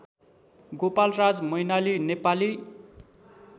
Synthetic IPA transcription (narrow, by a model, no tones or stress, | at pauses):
ɡopalrad͡zmʌjnalinepali